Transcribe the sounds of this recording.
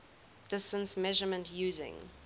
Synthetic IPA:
d̥ɪstə̃nsmɛʒəmə̃ntʰjuːzɪ̰̃ŋ

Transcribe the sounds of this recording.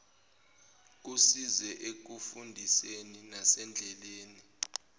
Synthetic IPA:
k̬usizɛʔek̬ufundʱiseninasɛnd͡ɮʱɛleːni

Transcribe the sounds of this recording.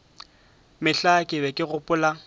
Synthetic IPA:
mɪɬakʼɪbɛkʼɪɣʊpʼʊːla

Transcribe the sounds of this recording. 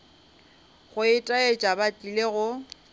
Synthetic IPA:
ɣʊɪtʼaet͡ʃʼabatʼileɣʊ

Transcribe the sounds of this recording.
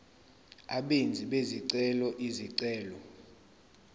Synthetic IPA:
a̰ɓend͡zʱiɓeziǀɛlɔʔiziǀɛːlɔ

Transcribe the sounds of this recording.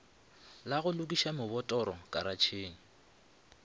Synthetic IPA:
laɣʊlʊk̬ʼiʃamʊβɔtʼɔɾɔkʼaɾat͡ʃʰeːŋ̩

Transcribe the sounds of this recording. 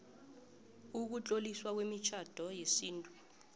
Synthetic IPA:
uk̬ut͡ɬʼoliswak̬wemit͡ʃʰad̥ʱɔjesiːntʼu

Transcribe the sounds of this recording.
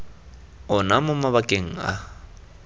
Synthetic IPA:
ʊnamʊmaβakʼeŋ̩a

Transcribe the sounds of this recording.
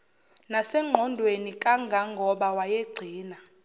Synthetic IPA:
nasɛŋ͡ǃʱɔndʱwenikʼaŋɡʱaŋɡʱɔɓawajeɡ͡ǀʱiːna

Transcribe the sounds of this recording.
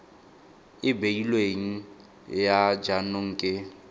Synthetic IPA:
ɪbeilweŋ̩ | jad͡ʒanʊŋ̩ːkʼɪ

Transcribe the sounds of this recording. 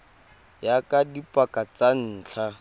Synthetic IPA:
jakʼadipʼakat͡san̩ːt͡ɬʰa

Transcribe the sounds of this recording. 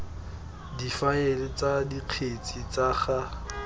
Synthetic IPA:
difaelɪt͡sadiq͡χʰet͡sʼit͡sʼaχa

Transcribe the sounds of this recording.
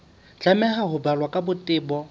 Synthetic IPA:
t͡ɬamɛɦaɦʊbalwakʼabʊtʼɪːbɔ

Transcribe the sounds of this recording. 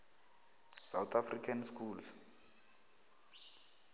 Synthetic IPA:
sawt̪ʰafrikʰanskʰuːls

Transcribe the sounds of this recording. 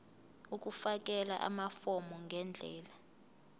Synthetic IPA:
uk̬ʼufak̬ʼɛla̰ʔa̰mafɔmɔŋɡʱɛnd͡ɮʱɛːla

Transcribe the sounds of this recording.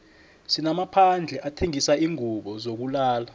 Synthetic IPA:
sinamapʰand͡ɮʱɛʔatʰeŋisaiːŋuɓɔzok̬ulaːla

